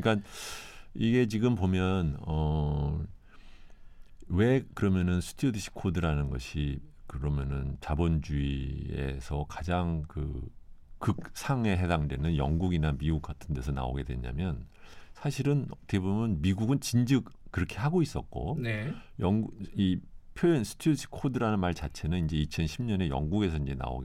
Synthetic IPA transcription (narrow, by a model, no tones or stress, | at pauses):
ik͈a | iɡe̞t͡ɕiɡɯmpomjʌnʌ | we̞kɯɾʌmjʌnɯnsʰu̥tʰiodiɕʰi̥kʰodɯɾanɯnɡʌ̰ɕʰikɯɾʌmjʌnɯnt͡ɕabond͡ʑuiḛsʰʌkad͡ʑaŋkɯ | kɯk̚sʰaŋe̞ɦe̞daŋdwe̞nɯnjʌŋɡuɡinamiuk͈atʰɯnde̞sʰʌna̰o̰ɡe̞dwe̞̰ɲa̰mjʌnsʰaɕʰiɾɯnte̞bumjʌnmiɡuɡɯnt͡ɕind͡ʑɯkkɯɾʌkʰe̞ɦaɡois͈ʌk̚k͈o̰nejʌŋipʰjojʌnsʰɯ̥tʰoiɕʰi̥kʰodɯɾanɯnmaɭt͡ɕat͡ɕʰe̞nɯnind͡ʑe̞it͡ɕʰʌnɕʰimɲʌne̞jʌ̰ŋɡuɡe̞sʰʌind͡ʑe̞na̰o̰ɡe